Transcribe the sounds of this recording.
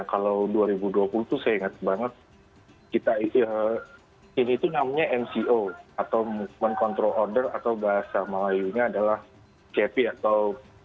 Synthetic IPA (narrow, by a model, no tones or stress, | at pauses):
nakalawduaɾibuduapuluht̪usajaiŋat̪ək̚baŋət̪̚ | kit̪aiə | iniːt̪unamɲaʔɛmsioat̪awmukmankɔnt̪ɾɔlordərat̪awbaɦasamalajuɲaːdalah | kepiat̪aw